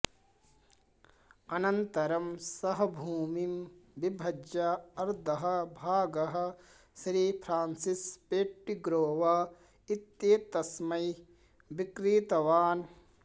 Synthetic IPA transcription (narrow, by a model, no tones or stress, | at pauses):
ɐnɐnt̪ɐɾɐmsɐɦɐ̆bʱuːmimbibʱɐd͡ʒaɐɾd̪ʱɐɦɐ̆bʱaːɡɐɦɐ̆ | ʃɾiːpʰɾaːnsispeːʈːiɡɾoːʋaː | it̪jeːt̪ɐsmɐj | bikɾiːt̪ɐʋaːn